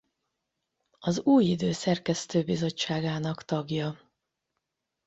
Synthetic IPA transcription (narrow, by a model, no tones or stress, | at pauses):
ɒzuːjid̪øːsɛrkɛst̪øːbizo̞t͡ʃt͡ʃːaːɡaːnɒkt̪ɒɡjɒ